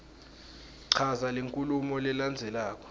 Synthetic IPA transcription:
ǀʰazaleŋkʼulumɔlɛland͡zʱɛlaːk̬ʼɔ̥

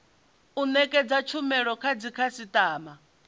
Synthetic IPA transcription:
unɛkʼɛd͡zat͡ʃʰumɛɺɔkʰad͡zikʰasit̪ʼaːma

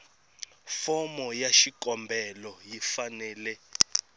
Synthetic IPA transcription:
fɔmɔjaʃikʼɔmbʱɛlɔjifanɛːlɛ

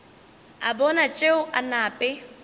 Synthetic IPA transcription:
a̰bɔnat͡ʃʼeʊʔanaːpʼɛ

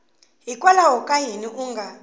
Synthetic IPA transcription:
ɦikʼwalaɦɔkʼajiniʔuŋɡʱa

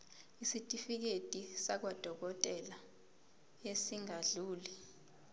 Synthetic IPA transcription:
isitʼifik̬etʼisak̬wad̥ʱɔk̬ɔtʼɛla | esiŋaɮuːli

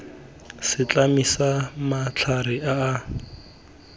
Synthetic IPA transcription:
sɪt͡ɬamisamat͡ɬʰarɪʔaː

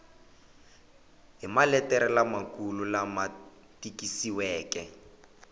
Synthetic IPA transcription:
ɦimalɛtɛɾɛlamakululama | tikisiwɛːkɛ

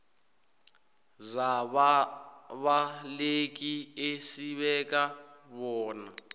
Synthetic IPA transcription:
zaβ | βalek̬ʼiesiβɛk̬ʼaβɔːna

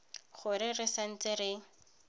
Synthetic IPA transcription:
χʊɾɪrɪsan̩t͡sɪɾɪ

